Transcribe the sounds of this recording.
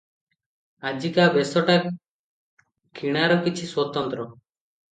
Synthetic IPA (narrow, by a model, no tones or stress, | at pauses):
ad͡ʒikabɛsɔʈap̚ | kʰiɽ̃aɾɔkit͡ʃʰiswɔt̪ɔnt̪ɾɔ